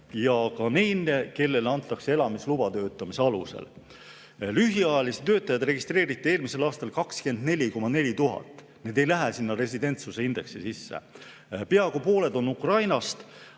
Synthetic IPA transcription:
jɑkɑnejneke̞lːe̞lɑnt̪ːˑɑksee̞lɑmislubɑt̪ø̞ːt̪ːˑɑmise̞ɑlṵse̞̰l | lyɦiɑjɑlise̥t̪ø̞ːt̪ːˑɑjɑd̪̥re̞ɡist̪re̞ːɾit̪ːˑie̞ːlmise̞lɑːst̪ɑlkɑkske̞nd̪ne̞lʲiko̞mɑne̞lʲit̪uɦɑ̰t̪ːˑ | ne̞d̪̥e̞jlæɦæsinːɑɾe̞s̬id̪e̞nt̪suse̞ind̪e̞ksesisːḛ | pe̞ɑɡopo̞ːle̞d̪o̞nːukrɑjnɑst̪

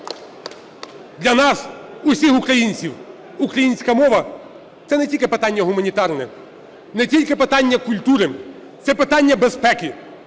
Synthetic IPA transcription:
d̪lʲɐnɑsʊsʲixʊkɾɐjinʲt͡sʲiw | ʊkɾɐjinʲsʲkɐmɔʋɐ | t̪sɛnɛtʲilʲkɪpet̪ɑnʲːɐɦʊmɐnʲit̪ɑrnɛ̰ | nɛtʲilʲkɪpɪt̪ɑnʲːɐkʊlʲt̪uɾɪ | t̪sɛpɪt̪ɑnʲːɐbespɛkʲi

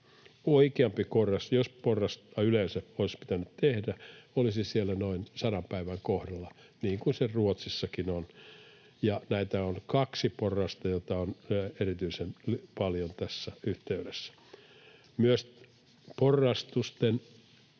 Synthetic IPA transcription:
oikeɑmpikorːɑsjosporːɑst̪ɑylensæoispi̥t̪ænytt̪ehdæolisisielːænoinsɑnɑmpæiʋæŋkohdɑlːɑ | niːŋkunseruot̪sisːɑkinon | jɑnæit̪æonkɑksiporːˑɑst̪ɑjot̪ɑonerit̪yisenlpɑljont̪æsːæyht̪eydesːæ̥ | myøs | porːɑst̪ust̪en

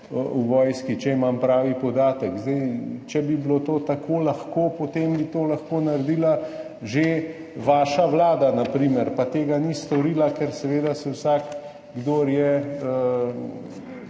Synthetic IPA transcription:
uʋɔːjskit͡ʃɛimampɾaːʋipɔd̪aːt̪əkzd̪ɛjt͡ʃɛbiblot̪oːt̪akʰoːlaxkoːpot̪eːmbit̪oːlaxkoːnaɾd̪iːla | ʒe | ʋaːʃaʋlaːd̪anapɾimɛɾpat̪eːɡanist̪ɔɾiːlakɛɾsɛʋeːd̪asɛwsaːk | ɡd̪oːɾjɛə

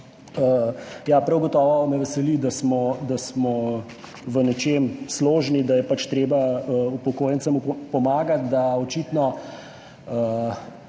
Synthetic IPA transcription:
əjapɾawɡɔt̪ɔːʋɔmɛʋɛsɛlid̪asmɔd̪asmɔ | ʋənɛt͡ʃemsloːʒnid̪ajɛpat͡ʃt̪ɾeːbaəupɔkoːjɛnsamupɔmaːɡat̪̚d̪aɔt͡ʃit̪nɔ | ə

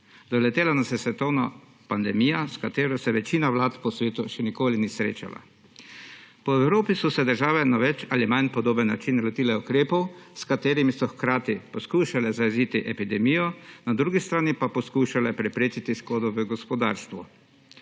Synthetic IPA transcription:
d̪ɔlɛt̪eːlanasjɛsʋɛt̪ɔwna | pand̪ɛmiːjaskat̪eːɾɔsɛʋɛt͡ʃiːnaʋlaːt̪pɔsʋeːt̪uʃɛnikoːliniːsɾḛːt͡ʃa̰la̰ | pɔɛwɾoːpisɔsɛd̪əɾʒaːʋɛnaʋɛt͡ʃalimajnpɔd̪oːbənːat͡ʃinlɔt̪iːlɛukɾeːpɔwskat̪eːɾimisɔxkɾaːt̪ipɔskuːʃalɛzajziːt̪iʔɛpid̪ɛmiːjɔnad̪ɾuːɡist̪ɾaːnipapɔskuːʃalɛpɾɛpɾeːt͡ʃit̪iskoːd̪ɔʋəɡɔspɔd̪a̰ːɾst̪ʋu

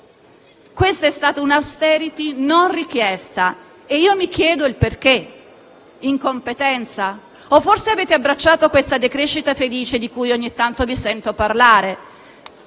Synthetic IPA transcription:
kwest̪aɛst̪aːt̪aunawst̪ɛɾit̪inonrik̟jɛst̪a | eiːomikjɛːd̪oilperk̟e | iŋkompet̪ɛnt̪sa | ofːorseaveːt̪eabɾat͡ʃːaːt̪okwest̪ad̪ekɾeʃːit̪afeliːt͡ʃed̪ikujoɲːit̪ːant̪ovisɛnt̪oparlaːɾe

